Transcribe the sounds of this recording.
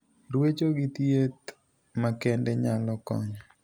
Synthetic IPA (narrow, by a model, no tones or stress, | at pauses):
ɾwet͡ʃoɡit̪jet̪ | makɛndɛɲalɔkɔ̰ɲɔ